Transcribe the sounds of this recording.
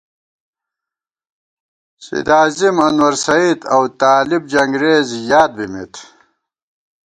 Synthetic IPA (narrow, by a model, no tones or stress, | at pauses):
sḭd̪aːzimɐnwɐɾsɐid̪ɐwt̪aːlibd͡ʑɐŋɡɾeːzjaːd̪̚bimet̪